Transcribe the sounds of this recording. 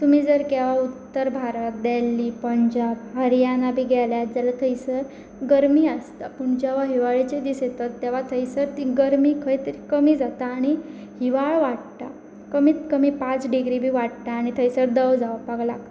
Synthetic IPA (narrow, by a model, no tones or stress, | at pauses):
t̪umiːd͡zəɾkɛʋaut̪ːəɾbʱaɾət̪̚d̪ɛlːiːpəɲd͡ʑabɦəɾjanabʱiːɡɛljad͡zalat̪ʰəjsəɾ | ɡəɾmiːəst̪apuɳd͡ʑɛʋaɦiʋaɭit͡ɕed̪iset̪at̪ːɛʋ̤at̪ʰəjsəɾt̪iɡəɾmiːkʰəjt̪əɾikəmiːd͡zat̪aːɽ̃i | hiʋaɭʋaʈʈ̪a | kəmiːt̪kəmiːpãt͡sɖiɡɾibʱiːʋaɽʈ̪aːɽ̃it̪ʰəjsəɾd̪əʋd͡zawpaɡlak